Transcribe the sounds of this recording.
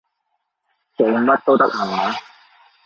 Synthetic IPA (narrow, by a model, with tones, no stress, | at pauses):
t͡se˨˧˩ŋmɐ˥t̚t̪o˥wt̪ɐ˥k̚hɐ˨˩maː˨˦